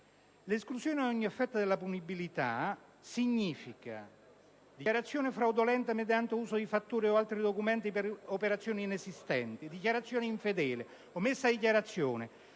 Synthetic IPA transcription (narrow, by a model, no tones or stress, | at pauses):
lesklusjoːneaɔɲːiefːɛt̪ːad̪elːapunibilit̪a̰ | siɲːiːfika̰ | d̪iaɾat̪sːjoːnefɾawd̪olɛnt̪amed̪jant̪euːsod̪ifat̪ːuːɾioalt̪ɾid̪okumɛnt̪ipeɾopeɾat̪sːjoːniːnesist̪ɛ̰nt̪id̪ikjaɾat̪sːjoːneiɱfed̪ɛːle | omːesːad̪ikjaɾat̪sːjoːnḛ